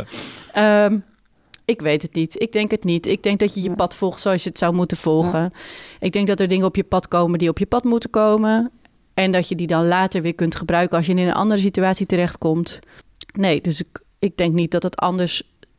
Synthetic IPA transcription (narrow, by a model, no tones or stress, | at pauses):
əm | ɪkʋejtətnitɪɡ̚dɛŋkətnitɪɡ̚dɛŋk̚dɔtjəjəpɑtfɔlˠxtsowɑsjəətsawmutənv̥ɔlˠχəʔɪɡ̚dɛŋk̚dɔtəɹdɪŋəɔpjəpɑtkowməndiɔpjəpɑtmutəkowmə | ɛndɔtjədidɑnlaːtəɹʋɪːɹkɵntχəbrœɥkəɑlˠsjənɪnə̰nʔɑ̰ndərəsityaːtsitəɾɛχtkɔmt | nejdøsɪk | ɪɡ̚dɛŋknit̚dɔtətʰɑ̰ndəɹs